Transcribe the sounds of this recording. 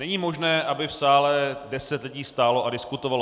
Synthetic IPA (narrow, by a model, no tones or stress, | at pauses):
nɛɲiːmo̞ʒnɛːʔabɪfsaːlɛdɛsɛt̪lɪɟiːst̪aːlo̞ʔadɪskut̪ovalo